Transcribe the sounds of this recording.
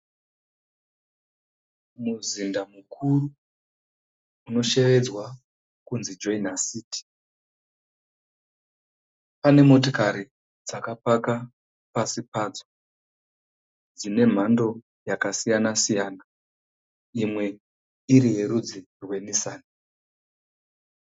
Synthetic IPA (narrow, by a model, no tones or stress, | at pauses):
muzindamukʰuru | uno̞ʃe̞ʋe̞d͡zwa | kunzid͡ʒo̞inasiːti̥ | pane̞mo̞tokaɾi | d͡zakapaka | pasipad͡zo̥ | d͡zine̞m̤ando̞ | jakasijanasijaːna | imwe̞ | iɾije̞ɾud͡zi | rwe̞nisaːna